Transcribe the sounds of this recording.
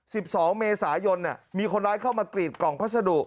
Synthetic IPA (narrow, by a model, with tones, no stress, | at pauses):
si˨˩p̚sɔː˩˦ŋmeː˧saː˩˦jo˧nːa˨˩miː˧kʰo˧nɾaː˦˥jkʰaː˥˩wmaː˧kliː˨˩t̪̚kɔː˨˩ŋpʰa˦˥sa˧du˨˩ʔ̚